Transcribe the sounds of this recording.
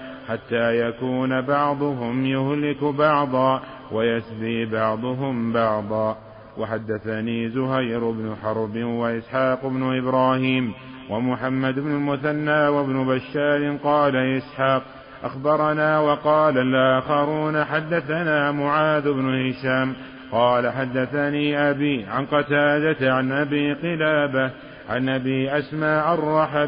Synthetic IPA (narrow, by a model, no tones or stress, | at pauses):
ħat̪ːaːjakuːnabɑʕd̪ˤʊɦʊmjʊhlɪkʊbɑʕd̪ˤɑː | wajasd̪iːbɑʕd̪ˤʊɦʊmbɑʕd̪ˤɑː | waħad̪ːaθaniːzʊɦajɾʊbnʊħɑɾˤbɪnwaʔɪsħɑːqʊbnʊʔɪbɾaːhiːm | wamʊħamːad̪ʊbnʊlmʊθanːaːwabnʊbaʃːaːɾɪnqɑːlaʔɪsħaːq̚ | ʔaxbɑɾˤɑnaːwɑqɑːlalʔaːxɑɾuːnaħad̪ːaθanaːmʊʕaːd̪ʊbnʊhɪʃaːm | qɑːlaħad̪ːaθaniːʔabiːʕanqɑt̪aːd̪at̪ʕanʔabiːqɨlaːba | ʕanʔabiːʔasmaːʔɑrˤːɑħab